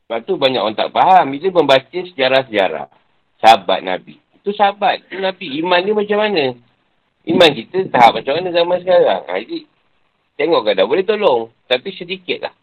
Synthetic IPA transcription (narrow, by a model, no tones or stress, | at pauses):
sbap̚t̪ubaɲakont̪a̰ʔ̚paɦambit̪əməmbat͡ʃəsəd͡ʒaɾas̬əd͡ʒa̰ɾa̰ | saɦaba̰t̪̚na̰bḭːt̪usəɦabat̪̚t̪unabiːmandimat͡ʃamːanə̃ | imankit̪ət̪aɦap̚mat͡ʃamanə̃zamansəkaɾa̰ŋa̰di | t̪eŋɔʔkadabolɛht̪olɔŋ | t̪apisədikɪt̪̚la̰h